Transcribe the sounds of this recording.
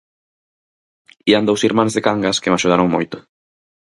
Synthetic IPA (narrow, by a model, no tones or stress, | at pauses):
iɐnd̪owsiɾmãnzðekaŋɡaskɪmaʃuð̞aɾoŋmojt̪ʊ̥